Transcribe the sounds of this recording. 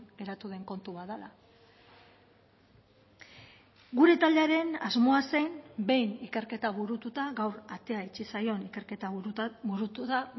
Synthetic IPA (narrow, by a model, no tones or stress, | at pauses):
ɡe̞ɾat̪uðe̞ŋko̞nt̪uβaðala | ɡuɾe̞t̪ald̪eaɾe̞nazmo̞asejnbe̞jnike̞ɾke̞t̪aβuɾut̪ut̪aɣawɾat̪e̞aet͡ʃisajo̞nikeɾket̪aβuɾuut̪a